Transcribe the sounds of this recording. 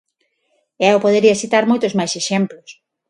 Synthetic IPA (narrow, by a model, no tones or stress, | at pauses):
ɛopoð̞eɾiɐsit̪aɾmojt̪ozmajseʃemplos